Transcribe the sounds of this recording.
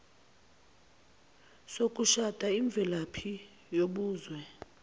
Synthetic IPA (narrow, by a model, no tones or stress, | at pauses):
sok̬ʼuʃad̥ʱʼaiɱb̪vʱɛlapʰi | joɓuːzwɛ